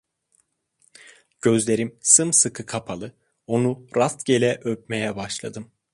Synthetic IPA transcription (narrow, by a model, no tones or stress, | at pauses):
ɟ̥ø̞zlʲe̞ɾimsɯmsɯkʰɯkʰapʰalˠɯ | o̞nuɾast̪ɟe̞lʲɛʔøp̚me̞jɛbaʃlˠad̪ɯm